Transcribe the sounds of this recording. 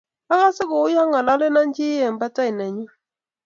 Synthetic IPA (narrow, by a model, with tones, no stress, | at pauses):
a˦ŋa˦sɪ˦kʊ˨ʊ˦ja˦ŋa˨la˦lɪ˦na˦nd͡ʒɪ˦jɛ˨mba˦ta˦ɪ˨na˨ɲi˦